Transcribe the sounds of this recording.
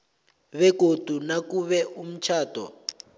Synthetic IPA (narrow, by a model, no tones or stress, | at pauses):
βɛɡ̥ʱod̥ʱunakuβɛum̩t͡ʃʰaːd̥ʱɔ̰